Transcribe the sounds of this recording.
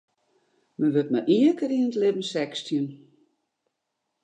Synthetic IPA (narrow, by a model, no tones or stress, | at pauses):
mənʋøt̚ma̰ʔiəkəɾinətlɪbən̩sɛkstjən